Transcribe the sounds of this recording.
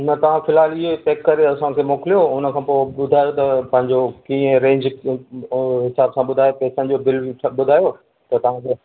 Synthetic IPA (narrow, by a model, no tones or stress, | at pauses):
nɐt̪ɐʋ̤ãfɪlaːlɪɦepeːkːɐɾeɐsãkʰeːmoːkɪlijoʊnə̆kʰãːpoːɓʊd̪ʱaːjot̪ɐpɐ̃ɦɪ̃ɲd͡ʑokĩːə̃ɾẽːɲd͡ʑ | ɦɪsaːbsãɓʊd̪ʱaːjopɛːsə̃nd͡ʑobɪliʈʰɓʊd̪ʱaːjo | t̪ɐt̪ɐʋ̤ãkʰe